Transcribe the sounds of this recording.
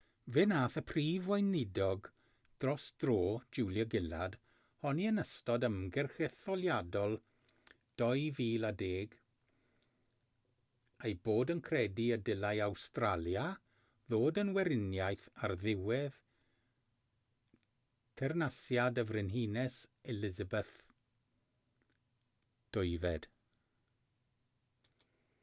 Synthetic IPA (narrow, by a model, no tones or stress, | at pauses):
vɛnaːθəpʰriːvwajnɪdɔɡ | d̥rɔsd̥ro̥ːd͡ʒulˠjəɡɪla̰d̥ | hɔniənəstɔdəmɡɛrxɛθɔlˠjadɔlˠ | d̥ɔjviːladeːɡ | ejboːdənkʰrɛdiədɪlˠajawstralˠja | ðoːdənwɛɾɪnjajθarðɪwɛð | tʰɛrnasjadəvrɪnɦinɛsɛlɪzəbɛθ | d̥ɔɨvɛd̥